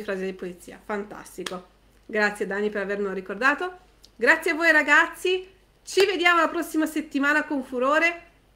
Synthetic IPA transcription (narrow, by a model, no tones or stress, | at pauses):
fɾaːzed̪ipolit̪sːḭːa̰fant̪a̰st̪iko | ɡɾat̪sːjed̪aːnːipeɾavernɾikord̪aːt̪o | ɡɾat̪sːjeavːoːjɾaɡat̪sːi | t͡ʃived̪jaːmolapɾɔsːimaset̪ːimaːnakoɱfuɾoːɾe